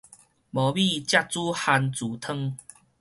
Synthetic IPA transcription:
bɔ˨˩bi˥˧t͡ɕja˥˧t̚t͡su˦ha˧nt͡su˨˩t̪ʰə˥˧ŋ

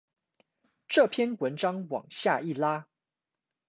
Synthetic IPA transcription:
ʈ͡ʂɤ˥˨pʰjɛ˥nwə˧˦nʈ͡ʂɑ˥ŋwɑ̰˨˩ŋɕja˥˧i˥˩la˦

